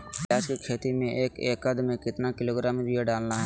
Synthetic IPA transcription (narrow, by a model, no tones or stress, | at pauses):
aːd͡ʒkikʰeːt̪imẽʔeːkeːkəd̪mẽkɪt̪nakɪloːɡɾaːmibʱieɖaːlnaɦɛ